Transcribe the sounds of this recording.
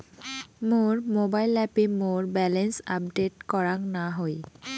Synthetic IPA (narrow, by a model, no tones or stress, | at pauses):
moɾmobajlɛpemoɾbɛlensa̰p̚ɖeʈkɔɾaŋnaɦoj